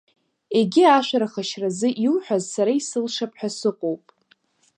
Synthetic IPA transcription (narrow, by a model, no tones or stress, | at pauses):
e̞ɡʲiaʃʷaɾaχaʃrazɨʔilħʷᶣazsaɾaisɨlʂapʰħasɨqʷʼowpʼ